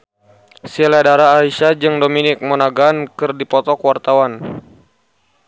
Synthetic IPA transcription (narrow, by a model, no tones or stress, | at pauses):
siladaɾaːiʃad͡ʒɨŋdominɪk̚mɔnaɡaːnkɨrdipɔt̪ɔkwart̪awan